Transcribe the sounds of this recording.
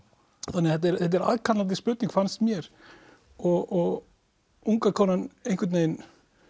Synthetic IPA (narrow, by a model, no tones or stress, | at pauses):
θanːɛaðhɛt̪ɛɾɛt̪̬ɛɾa̰ːðkʰanlant̪̬ɪspʏːt̪niŋkfanst̪mjɛɾ | ɔɣɔɣ | uŋkakʰɔːnanejnkvɪɾt̪neːjn